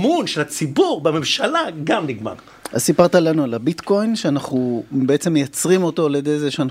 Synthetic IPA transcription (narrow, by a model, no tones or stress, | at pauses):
munʃelat͡sibuʁbememʃalaɡamniɡma̰ʁ | a̰zsipaʁt̪alanualabit̪ko̞jnʃeanaχubeet͡semːejat͡sʁimo̞to̞aljed̪ejzeʃean